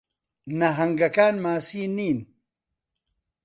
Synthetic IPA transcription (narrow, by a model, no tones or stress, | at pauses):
nɐɦɐŋɡɐkaːnmaːsiːniːn